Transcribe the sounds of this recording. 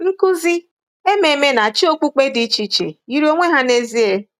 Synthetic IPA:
ŋ̩˦ku˦zi˦ | e˦me˨me˦na˨t͡ʃɪ˦o˦kʷu˦k͡pe˦dɪ˦t͡ʃi˨t͡ʃḛ˨i˦ɾo˦ŋʷe˦ɦa˦ne˦zi˦e˦

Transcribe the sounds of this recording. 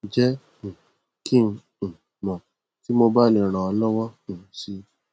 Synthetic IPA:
d͡ʒɛ̃˦˨ | kʰĩ˦˨˧ | mɔ̃˨ | ti˦mo˧ba˦˨ĩ˧˨ɾ̃ã˨ɔ˧lɔ˦wɔ̃˦˨ʃi˧

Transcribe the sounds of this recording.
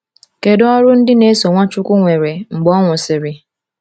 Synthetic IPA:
ke˨dɔ˦ɾʊ˦n̩˦dɪ˦ne˦so˨ŋʷa˦t͡ʃʊ˦kʷʊ˦ŋʷe˨ɾe˨ŋ͡m̩˨ɡ͡bɔ˦ŋʷʊ˨sɪ˨ɾɪ˨

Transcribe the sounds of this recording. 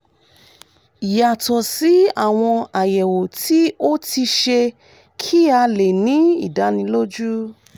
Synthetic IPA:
i˨ja˨tɔ˨si˨˦a̰˦˨w̃ɔ̃˧a˨jɛ˨wo˨tʰi˦o˦ti˧ʃe˧ | kʰi˦a˧le˨nĩ˨˦ḭ˦˨da˨˦nĩ˧lo˦d͡ʒu˦

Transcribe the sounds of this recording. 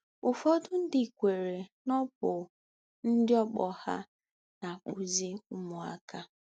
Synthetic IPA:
ʊ˨fɔ˦dʊ˦n̩˦dɪ˨kʷe˨ɾe˨nɔ˦p̚ʊ˨ | n̩˦dɪ˦ɔ˦k͡pɔ˨ha̰˦ | na˨k͡pu˨zi˦ʊ˦mʊ˨a̰˦ka˦

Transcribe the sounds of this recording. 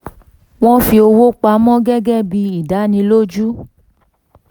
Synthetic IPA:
w̃ɔ̃˦fi˧o˧wo˦k͡pa˧˦mɔ̃˦ɡɛ˦ɡɛ˦bi˧i˨da˨˦nĩ˧lo˦d͡ʒu˦

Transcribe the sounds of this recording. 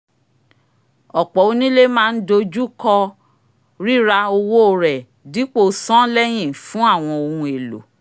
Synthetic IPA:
ɔ˨k͡pɔ˨˦o˧nĩ˦le˦mãː˦˧n̩˦do˧d͡ʒu˦kɔ˧ | ɾi˦ɾa˧o˧wo˦˨ɾɛ˨ | di˨˦k͡po˦˨sɔ̃˦lɛ˦j̃ĩ˦˨fũ˨˦a˦˨w̃ɔ̃˧o˧hũ˧e˨lo̰˨

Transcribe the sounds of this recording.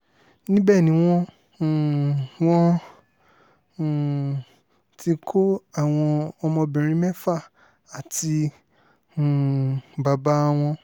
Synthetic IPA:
nĩ˦bɛ˦˨nĩ˨˦w̃ɔ̃˧˨ | w̃ɔ̃˦˨ | ti˧kʰo˦a˦˨w̃ɔ̃˧ɔ˧mɔ̃˧bĩ˨ɾ̃ĩ˧˦mɛ˦fa˦˨ | a˨ti˧˨ | ba˨ba˦w̃ɔ̃˧

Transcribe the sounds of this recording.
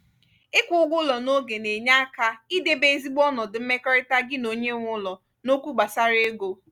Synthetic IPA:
ɪ˦kʷʊ˨˦ɡʷʊ˦lɔ˨no˦ɡe˨ne˨ɲa˦a˦ka˦i˦de˦be˨e˨zi˦ɡ͡bɔ˦nɔ˨dɪ˨m̩˦me˦kɔ˦ɾɪ˦ta˦ɡɪ˦no˨ɲe˦ŋʷʊ˦lɔ˨ | no˦kʷu˦ɡ͡ba˨sa˦ɾe˦ɡo˨˦

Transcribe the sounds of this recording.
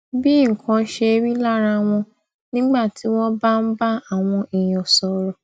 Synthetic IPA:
bi˦ŋ̩˨kʰã˧˦ʃe˧e˧ɾi˦la˦ɾa˧w̃ɔ̃˧ | nĩ˦ɡ͡ba˦˨ti˨˦w̃ɔ̃˦ba˦n̩˦ba˦a˨w̃ɔ̃˧i˨j̃ɔ̃˨sɔ˨ɾɔ˨

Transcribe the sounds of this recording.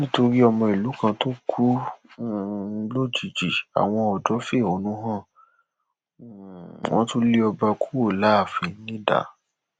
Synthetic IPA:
nĩ˦to˧ɾi˦ɔ˧mɔ̃˧i˨lu˨˦kã˧to˦kʰu˦˨˧ | lo˦d͡ʒi˨d͡ʒi˨a̰˨w̃ɔ̃˧ɔ˨d͡ʒɔ˨˦fe˦˨o˨˦nũ˦ɦã˦˨ | wɔ̃˦tũ˦le˦ɔ˧ba˧kʰu̥˦wo˦˨la˨˦a˦˨fĩ˨˦nĩ˦da̰˨

